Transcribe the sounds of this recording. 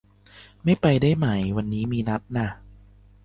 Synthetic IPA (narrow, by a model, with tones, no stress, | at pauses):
ma˥˩jpa˧jdaː˥˩jma˦˥˩jwa˧nːiː˦˥miː˧na˦˥t̪̚na˥˩